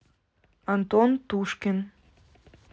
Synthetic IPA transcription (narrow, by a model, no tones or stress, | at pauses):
ɑnt̪ont̪uʃken